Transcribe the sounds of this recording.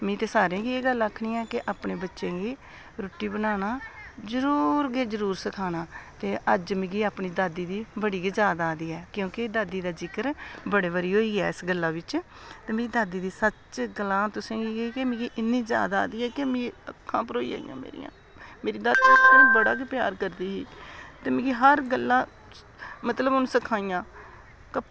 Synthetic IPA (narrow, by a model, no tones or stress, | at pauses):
mĩːt̪eːsaːɾẽːɡiːeːɡələkʰɳiːɛːkeʔaːpɳeːbətːʃẽːɡiː | ɾoːʈiːbənaːnaːzəɾuːɾɡeːd͡ʒəɾuːɾsəkʰaːnaːt̪eːʔəd͡ʒmɪ̃ɡiːaːpɳiːd̪aːd̪iːd̪iːbəɽiːɡd͡ʒaːd̪aːd̪iːɛːkjõːked̪aːd̪iːd̪aːd͡ʒɪkəɾbəɽeːbəɾiːɦoːiːɡɛːɪsɡəlːaːʋɪt͡ʃ | t̪eːmẽːiːd̪aːd̪iːd̪iːsət͡ʃɡəlãːt̪ʊsẽːɡiːɡkemɪ̃ːɡiːʔɪnːiːzja̰ːd̪aːd̪iːɛːkemĩəkʰːãːpəɾoːiːa̰ːḭjã̰ːmḛːɾḭjã̰ː | meːɾiːd̪aːd̪ĩbəɽaːkepja̰ːɾkəɾd̪iːɦiːt̪eːmɪ̃ːɡiːɦəɾɡəlːãː | mət̪ləbʊnsəkʰaːijãː | kə